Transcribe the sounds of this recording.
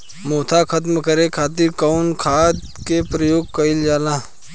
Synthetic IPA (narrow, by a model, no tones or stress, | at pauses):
moːt̪ʰakʰət̪̬mkəɾekʰaːt̪̬ɪɾkaʊnkʰaːd̪ | kepɾəjoːɡ̚kəɪld͡ʒaːlãː